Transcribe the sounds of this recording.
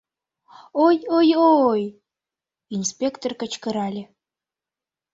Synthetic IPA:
ojojooj | inspʲekt̪orkə̆t͡ɕkə̆ɾɑlʲe

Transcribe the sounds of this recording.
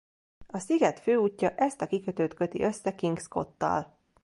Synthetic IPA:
ɒsiɡɛt̪føːuːcːɒʔɛst̪ɒkikøt̪øːt̪kø̞t̪ḭʔø̞sːɛkiŋɡsko̞t̪ːɒ̰l

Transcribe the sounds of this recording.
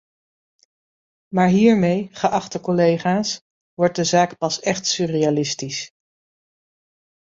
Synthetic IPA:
maːɹɦiːɹmejχəʔɑχtəkɔlejχaːs | ʋɔɹt̚dəzaːkpɑsɛχtsyːrejalɪstis

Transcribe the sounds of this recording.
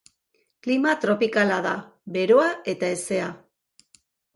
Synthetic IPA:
klimat̪ɾo̞pikalaðaβe̞ɾo̞ae̞t̪ae̞se̞a

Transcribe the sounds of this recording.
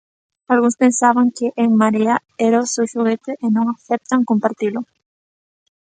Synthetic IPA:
alɣuŋspẽnsaβaŋkɪʔeŋmaɾia | ɛɾaʊsewʃuɣet̪ɪʔːnõŋaθɛp̚t̪aŋkompaɾt̪ilʊ

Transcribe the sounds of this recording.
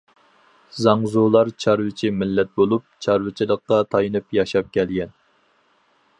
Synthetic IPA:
zɑŋzulˠɑɾt͡ʃʰɑɾwɪt͡ʃʰimɪlːɛt̪̚bolˠup̚t͡ʃʰɑɾwɪt͡ʃʰilˠəqːɑt̪ʰɑjinɨpjɑʃɑp̚kʲʰɛlɡʲɛn

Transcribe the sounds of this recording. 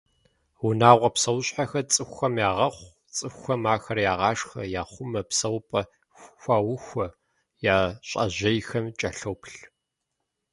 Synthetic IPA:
wʊnaːʁʷɐpsɐwɕʼħaxɐt͡sʼɨxʷxɐmjaːʁɐχʷ | t͡sʼɨxʷːɐmaːxɐrjaːʁɑːʂxɐjaːχʷʊmɐpsɐwpʼɐ | xʷaːwʊxʷɔ | jaːɕʼɐ̰ʑɐjxɐmt͡ʃʼɐɬɐwpɬ

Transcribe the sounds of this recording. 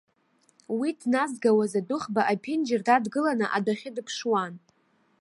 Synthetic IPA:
widnazɡawazadʊχbaʔapʰɪnd͡ʒɪrdadɡɨlanɨʔadaχʲɪdɨpʰʂwan

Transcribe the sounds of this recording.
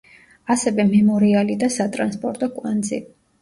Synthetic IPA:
asɛvɛmɛmɔɾialid̪asat̪ʼɾanspʼɔɾt̪ʼɔkʼwand̪zḭ

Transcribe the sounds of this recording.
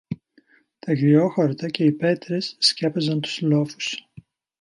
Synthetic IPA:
t̪ɐʝioxoɾt̪ɐce̞ipe̞t̪ɾesːcepɐzɐnt̪u̥zlo̞fu̥s

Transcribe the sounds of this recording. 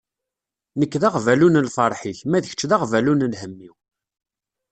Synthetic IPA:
nəkːðaʁvælunəlfɑɾˤħiçmæðəçə̥t͡ʃːðaʁvælunlhəmːiw

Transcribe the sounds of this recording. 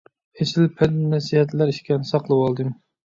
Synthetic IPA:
hesɪlpʰɛd̪nɛsiɦɛt̪læɾiʃkʲɛnɨsɑqlˠɨwɑlˠd̪ɨm

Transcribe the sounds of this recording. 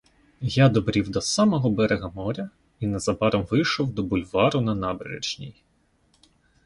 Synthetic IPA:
jad̪ɔbɾʲiwd̪ɔsɑmɔɦɔbɛɾeɣɐmɔɾʲɐ | inezɐbɑɾɔmʋɪjʃɔwd̪ɔbʊlʲʋɑɾʊnɐnɑbḛɾḛd͡ʒnʲḭj

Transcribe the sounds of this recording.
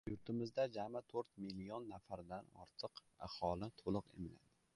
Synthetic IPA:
jʊɾt̪ʰɪmɪzd̪ad͡ʒamat̪ʰɵɾt̪milionːafaɾd̪anɒ̰ɾt̪ʰɨq | a̰hɒlˠɪt̪ʰolˠɨqḛmɪla̰d̪ɪ

